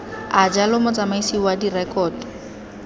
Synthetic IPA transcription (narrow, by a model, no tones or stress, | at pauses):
ad͡ʒalʊmɔt͡samaisiwadirɛkɔːd